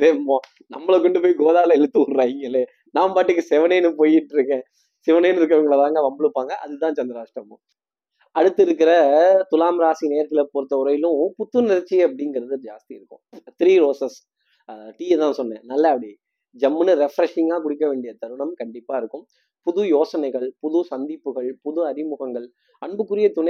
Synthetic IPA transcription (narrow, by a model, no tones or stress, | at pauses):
t̪eːmõː | nɐmːɐɭɐkɔɳɖɯpoːjɡoːðaːlɐɛɻɯt̪ːɯɾaːɪŋɡɐleː | nãːpaːʈːɯk̬ːɯsɛʋɐneːnɯpoːjɪʈːɾɯkːẽː | sɛʋɐnɐːnɾɯk̬ːɐʋɐŋɡɐɭɐt̪ãːŋɡɐʋɐmbɐɭɯpːaːŋɡɐʔɐ̰ðɯt̪ãːt͡ʃɐnd̪ɪɾaːʂʈɾɐmʊ̃ | ɐɽɯt̪ːɪɾɯk̬ːɪɾɐt̪ʊlaːmɾaːsineːɾkɪlɐpoːɾt̪ːɐʊɾɐjɪlʊ̃pʊt̪ːɯnɪɾɐt͡ʃːiɐp̬ːɐɽɪŋɡɐɾɐðɯd͡ʒaːst̪iɪɾɯkːʊ̰̃t̪ɪɾiːɾoːsɐs | ʈiːɛt̪ãːnsɔnːɛ̰̃ːnɐlːɐɐpːɐɽi | d͡ʒɐmːɯnɯɾɛfɾɐʂɪŋɡaːkʊɽɪkːɐʋeːɳɖɪjɐt̪ɐɾɯɳɐmkɐɳɖɪpːaːɪɾɯkːɯ̃m | pʊðʊjoːsɐnɐɪɣɐɭpʊðɯsɐnd̪ɪpːɯɣɐɭpʊðʊɐɾɪmʊɣɐŋɡɐɭ | ɐɳbɯkːɯɾɪjɐt̪ʊnɐ